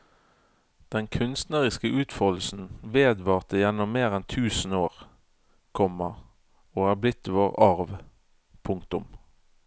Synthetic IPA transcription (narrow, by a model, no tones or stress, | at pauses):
d̪̥ɛnkʰʉnst̪nəʁɪskəʔʉːt̪fœʁd̪l̩sn̩ʋeːd̪ʋɑːʁt̪əjɛnɔmːeːʁɛnt̪ʰʉːsn̩oːʁ | kʰɔmːə | oːæːblɪt̪ːʋoːʁɑʁʋ | pʰʊŋkt̪ʊm